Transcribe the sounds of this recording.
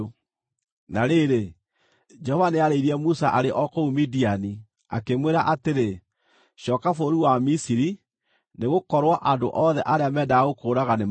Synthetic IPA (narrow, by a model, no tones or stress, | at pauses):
naɾeɾe | d͡ʒɛhɔvaneaɾeiɾiɛmusaʔaɾeʔɔkoumidiani | a̰kemweɾaʔateɾe | ɕɔːkafoɾiwamisiɾi | neɣokɔɾwaʔando̰ʔɔðɛʔaɾeamɛdaːɣokoːɾaɣane